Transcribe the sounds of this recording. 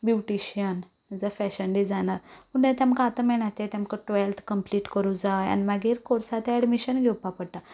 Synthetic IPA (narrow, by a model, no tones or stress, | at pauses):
bjuʈiɕiən | d͡zəfɛɕəɳɖid͡zanaɾpunet̪ãmkaːt̪əmɛɳ̃at̪et̪amkəʈʋɛlt̪ʰkəmpliːʈkəɾud͡zaja̰nimaɡiːɾkoɾsat̪eɛɖmiɕənɡʱɛwpapəɽʈ̪a